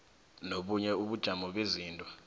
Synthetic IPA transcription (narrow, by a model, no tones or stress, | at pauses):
noɓuɲɛuɓud̥ʒ̥ʱamɔɓeziːntʼɔ̥